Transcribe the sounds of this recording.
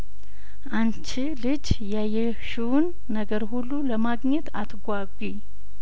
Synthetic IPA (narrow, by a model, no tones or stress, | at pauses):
ʔant͡ʃɪlɨd͡ʒ | jajɛ | ʃuwnːəɡəɾhulːuləmaɡɲɛt̪at̪ʰɡʷaɡʷi